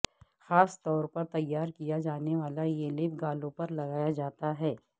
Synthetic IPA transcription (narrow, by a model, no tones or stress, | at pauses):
xaːst̪ɔːɾpɐɾt̪ɐjːaːɾkijad͡ʒaːneʋaːlajelɪbɡaːlõpɐɾlɐɡaːjad͡ʒaːt̪aɦɛː